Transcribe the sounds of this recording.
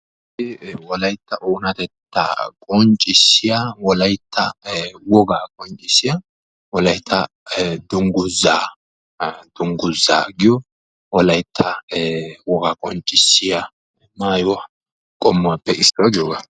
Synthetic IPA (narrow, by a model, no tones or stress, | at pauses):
ɪwɔlɐjt̪ːɐʔuːnɐt̪ɛt̪ːɐ̰kʼɔnt͡ʃʼːɪsːɪjawɔlɐjt̪ʰːɐwɔɡaːkʼɔnt͡ʃʼɪsːɪja | wɔlɐjt̪ʰːɐ | d̪ʊŋɡʊzaː | d̪̥ʊŋɡʊza̰ːɡɪjɔ | wɔlɐjt̪ʰːɐ | wɔɡaːkʼɔnt͡ʃʼːɪsːɪja | maːjʊɐ | kʼɔmːʊapːɛʔɪsɔwɐɡɪjoːɡa